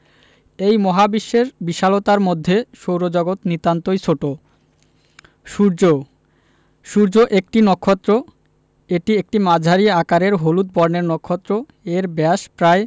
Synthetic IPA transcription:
ejmɔɦabiʃːeɾbiʃalot̪aɾmod̪ʱːeʃowɾod͡ʑɔɡot̪nit̪ant̪ojt͡ɕʰoʈo | ʃuɾd͡ʑo | ʃuɾd͡ʑoʔek̚ʈinɔkʰːot̪ːɾo | eʈiek̚ʈimad͡ʑʱaɾiakaɾeɾɦolut̪̚bɔɾneɾnɔkʰːɔt̪ːɾo | eɾbɛaʃpɾae

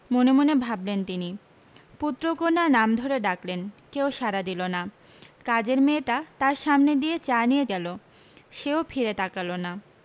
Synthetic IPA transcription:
monemonebʱablent̪ini | put̪ːɾokonaɾnamd̪ʱoɾeɖaklenkeowʃaɾad̪ilona | kad͡ʑeɾmeʈat̪aɾʃamned̪ijet͡ɕanijeɡɛlo | ʃeofʰiɾet̪akalona

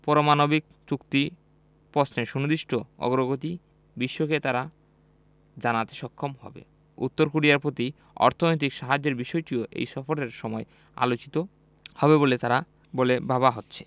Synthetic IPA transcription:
pɔɾomanobik̚ | t͡ɕukt̪i | pɔsneʃunud̪iʃʈʰoɔ̰ɡɾoɡot̪i | biʃːoket̪aɾa | d͡ʑanat̪e̥ʃɔkʰːomhɔbḛ | ut̪ːoɾkoɽijaɾpot̪i | ɔ̰ɾt̪ʰonojt̪̬ikʃaɦad͡ʑːeɾbiʃɔjʈioʔḛjʃɔfoɾeɾʃɔmɔe | a̰lot͡ɕi̥t̪o | hɔbebolet̪aɾa | bolebaβaɦotːɕʰe̥

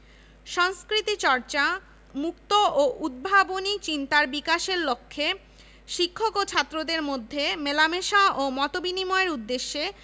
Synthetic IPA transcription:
ʃɔŋskɾit̪it͡ɕɔɾt͡ɕa | mukt̪ooʔud̪̚bʱabonit͡ɕint̪aɾbikaʃeɾlokʰːe | ʃikʰːokot͡ɕʰat̪ːɾod̪eɾmod̪ʱːemelameʃaomɔt̪obinimɔeɾud̪ːeʃːe

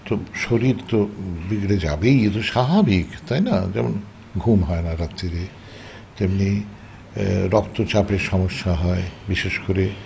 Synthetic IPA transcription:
t̪oʃoɾiɾt̪obiɡɾed͡ʑa̰bejet̪oʃababʱikt̪ajna̰d͡ʑɛmon | ɡʱumɦɔenaɾat̪ːiɾe | t̪emni | ɾɔkt̪ot͡ɕapeɾʃɔmoʃːaɦɔebiʃeʃkoɾe

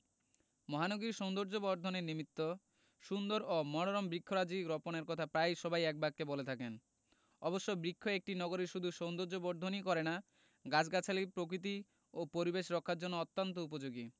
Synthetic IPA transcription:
mɔɦanoɡiɾʃond̪oɾd͡ʑobɔɾd̪ʱoneɾnimit̪ːo | ʃund̪oɾomɔɽ̃oɾɔmbɾikʰːoɾad͡ʑiɡɾɔponeɾkɔt̪ʰapɾajʃɔbajɛk̚bakkebolet̪ʰaken | ɔboʃːobɾikʰːoek̚ʈinɔɡoɾeʃud̪ʱuʃownd̪oɾd͡ʑobɔɾd̪ʱonikɔɾena | ɡad͡ʑɡat͡ɕʰalipɾok̬ɾit̪̬i | opoɾibeʃɾɔkʰːaɾd͡ʑɔnːoɔt̪ːant̪oup̬od͡ʑoɡi

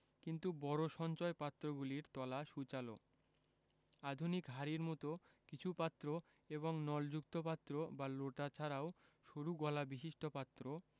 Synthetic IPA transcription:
kint̪ubɔɾoʃɔnt͡ɕɔepat̪ːɾoɡuliɾt̪ɔlaʃut͡ɕalo̰ | ad̪ʱunikɦaɾiɾmɔt̪okit͡ɕʰupat̪ːɾo | eβoŋnɔld͡ʑuk̚t̪opat̪ːɾobaloʈat͡ɕʰaɾaoʃoɾuɡɔlabiʃiʃʈʰopat̪ːɾo

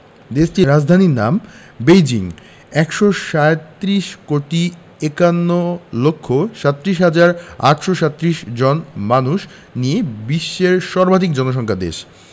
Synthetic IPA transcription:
d̪eʃʈiɾad͡ʑd̪ʱanina̰m | bejd͡ʑiŋ | ɛkʃoʃaet̪ːɾiʃkoʈi | ekanːolokʰːoʃat̪ːɾiʃɦad͡ʑaɾa̰ʈʃoʃat̪ːɾiʃd͡ʑɔnmanuʃ | nijebiʃːeɾʃɔɾbʱad̪ʱikd͡ʑɔnoʃ̬ɔŋkʰad̪ḛʃ

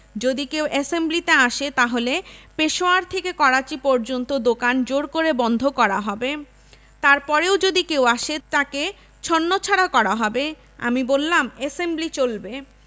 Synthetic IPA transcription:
d͡ʑod̪ikewʔesemblit̪eaʃet̪aɦolepeʃoaɾt̪ʰekekɔɾat͡ɕipɔɾd͡ʑont̪od̪okand͡ʑoɾkoɾebɔnd̪ʱokɔɾaɦɔbe | t̪aɾpɔɾeod͡ʑod̪ikewaʃet̪ake | t͡ɕʰonːot͡ɕʰaɾakɔɾaɦɔbe | a̰mibolːamesemblit͡ɕolbe

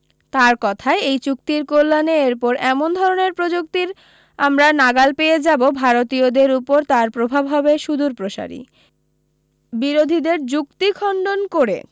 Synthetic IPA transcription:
t̪aɾkɔt̪ʰaeejt͡ɕuk̚t̪iɾkolːaneeɾpɔɾɛmond̪ʱɔɾoneɾpɾod͡ʑuk̚t̪iɾ | amɾanaɡalpeed͡ʑabobʱaɾot̪iod̪eɾupoɾt̪aɾpɾobʱabɦɔbeʃud̪ʱuɾpɾoʃa̰ɾḭ | biɾod̪ʱid̪eɾd͡ʑukt̪ikʰɔɳɖonkoɾḛ

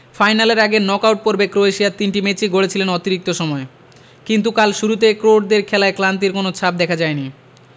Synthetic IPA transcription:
fajnaleɾaɡeɾnɔkawʈ̚poɾbekɾoeʃiat̪inʈimet͡ɕiɡʱoɽet͡ɕʰilenɔt̪iɾik̚t̪oʃɔmɔe | kint̪ukalʃuɾut̪ekɾoʈ̚d̪eɾkʰɛlaeklant̪̬iɾkonot͡ɕʰap̚d̪ɛkʰad͡ʑaeni

